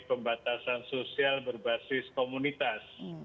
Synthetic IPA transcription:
pəmbat̪asansosialbərbasɪskomunit̪as

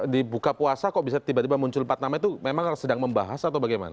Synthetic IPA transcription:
dibukapuasakaʔbisat̪ibat̪ibamuɲt͡ʃʊlpat̪namait̪umemaŋsədaŋməmba̰ɦasat̪awbaɡajma̰na

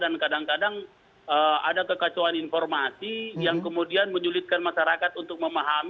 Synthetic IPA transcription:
dankadaŋkadaŋ | əa̰dakəkat͡ʃoaninfɔrmasijaŋkəmudianməɲulɪt̪̚kanmaʃaɾakat̪unt̪ʊk̚məmaɦam

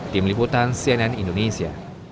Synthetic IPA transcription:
t̪imliput̪ansiɛnɛnindonesia̰

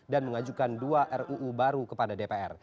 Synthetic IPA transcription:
danməŋad͡ʒukanduaʔɛruʔːbaɾukəpadadepeʔɛr

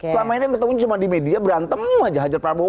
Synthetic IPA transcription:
səlamainijaŋkət̪əmuɲat͡ʃumandimediabəɾant̪əmuad͡ʒaɦad͡ʒarpɾabo

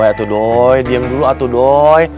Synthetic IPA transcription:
ɛat̪uɗojɗiəmɗuluʔat̪uɗoj

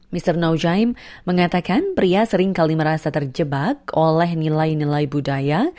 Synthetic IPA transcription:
mist̪ərnawd͡ʒajmːəŋat̪akanpɾiasəɾɪŋkaliməɾasat̪ərd͡ʒəbakolɛɦnilajnilajbudaja

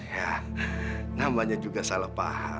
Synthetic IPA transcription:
ja | namaɲad͡ʒuɡasalahpa̰ha̰

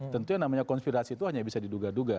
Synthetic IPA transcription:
t̪ənt̪ujaŋnamaɲakɔnspiɾasit̪uɦaɲabisadiduɡaduɡa

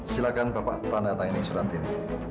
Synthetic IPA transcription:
silakanbapa̰ʔt̪anat̪aŋinisuɾant̪ini

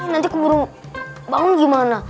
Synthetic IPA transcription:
nãtikubuɾũbaũɡimãna

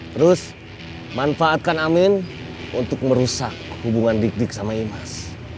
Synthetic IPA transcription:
t̪əɾʊs | manfaːt̪̚kanamɪn | unt̪ʊk̚məɾusakhubuŋandik̚dɪksamaimas

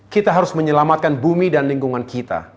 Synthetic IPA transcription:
kit̪aɦaɾʊsməɲəlamat̪̚kanbumidanliŋɡuŋankit̪a̰

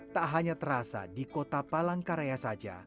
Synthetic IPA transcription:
t̪aʔɦaɲat̪əɾasa̰dikot̪apalaŋkaɾeasad͡ʒa̰

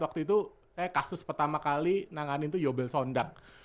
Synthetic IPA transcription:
wakt̪uit̪u | sajakasʊspərt̪amakalinaŋanɪnt̪ujobɛlsondaŋ̚

